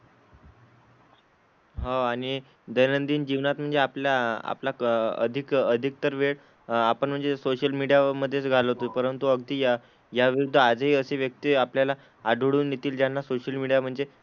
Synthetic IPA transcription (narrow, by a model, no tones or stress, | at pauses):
ɦaaɽ̃i | d̪əjnənd̪iːnd͡ʑiʋnat̪̚m̤əɳd͡zeapljaa̰plaə̰d̪ʱikəd̪ʱik̚t̪əɾʋeɭ | apəɳm̤əɳd͡zesoɕəlmiɽijaməd̪ʱːjet͡sɡʱaləɦot̪opəɾənt̪uəɡd̪iː | jaʋiɾud̪ʱːəad͡zəɦiːəseʋjək̚t̪iːapljala | aɖʱuɽuːnːit̪iːld͡ʑjanːasoɕəlmiɽijam̤əɳd͡ze